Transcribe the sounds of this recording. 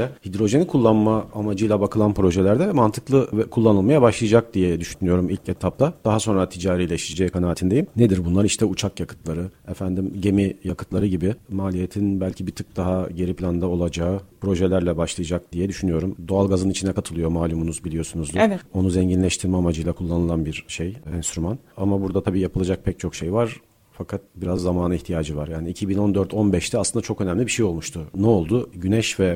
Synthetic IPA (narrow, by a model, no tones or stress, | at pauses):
ɛhid̪ɾo̞ʒe̞nikʰulˠːanmaːmad͡ʒɯjlˠabakʰɯlˠanpɾo̞ʒelʲæɾd̪ɛvɛmant̪ʰɯklˠɯvɛkʰulˠːanɯlˠmajabaʃlˠɯjad͡ʒak̚d̪ijɛd̪yʃynyjo̞ɾumilʲcet̪ʰap̚t̪ʰad̪̥aɦaso̞nɾat̪ʰid͡ʒaːɾijlʲɛʃt̪iid͡ʒeːikʰanaːt̪ʰind̪ejimned̪iɾbunlˠaɾiʃt̪ʰɛut͡ʃʰakjakʰɯ̥t̪lˠaɾɯefænd̪imɟe̞mijakʰɯ̥t̪lˠaɾɯɟibimaːlʲije̞t̪ʰinbælʲcʰibit̪ʰɯk̚d̪aɦaɟe̞ɾipʰlʲand̪ao̞lˠad͡ʒaːɯpɾo̞ʒɛlʲæɾlʲɛbaʃlˠajad͡ʒak̚d̪ijɛd̪yʃynyjo̞ɾumd̪oalˠɡazɯnit͡ʃʰinɛkʰat̪ʰɯlˠɯjo̞maːlʲumunuzbilijo̞sunuzd̪uvɛo̞nuzɛɲɟinlʲɛʃt̪ʰiɾmɛamad͡ʒɯjlˠakʰulˠːanɯlˠanbiɾʃejɛnst̪ɾymanamabuɾd̪at̪ʰabiːjapʰɯlˠad͡ʒak̚pʰɛc̚t͡ʃʰo̞kʃejvaɾ̥ | fakʰat̪̚biɾazːamaːnɯiçt̪ʰijaːd͡ʒɯvaɾjaːniicʰibino̞nd̪øɾt̪ʰo̞nbɛʃt̪ʰɛaslˠɯnd̪at͡ʃʰo̞kø̞nɛmlʲibiʃejo̞lˠmuʃt̪ʰʊnɛo̞lˠd̪ʊɟynɛʃvɛ